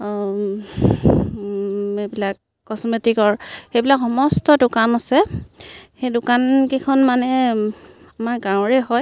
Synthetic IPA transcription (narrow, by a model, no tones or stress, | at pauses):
ebilakː | ɔsmetikɔɹxejbilakxɔmɔstɔdʊkanasɛ | xejdʊkankekʰɔnmanɛ | amaɹɡãw̃ɹɛɦɔj